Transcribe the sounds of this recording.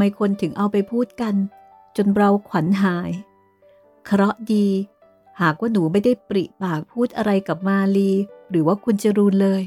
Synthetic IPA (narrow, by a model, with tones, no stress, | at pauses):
maː˧jkʰo˧nt̪ʰɯ˩˦ŋʔa˧wpa˧jpʰuː˥˩t̪̚ka˧n | t͡ɕo˧nɾa˧wkʰwa˩˦nɦaː˨˩˦j | kʰa˧ɾɔ˦˥ʔdiː˧ | haː˨˩k̚waː˥˩nuː˩˦ma˥˩jda˥˩jpɾi˨˩ʔpaː˨˩k̚pʰuː˥˩t̪̚ʔa˧ɾa˧jka˨˩p̚maː˧liː˧ɾɯː˩˦waː˥˩kʰu˧nt͡ɕa˨˩ɾuː˧nlɤː˧j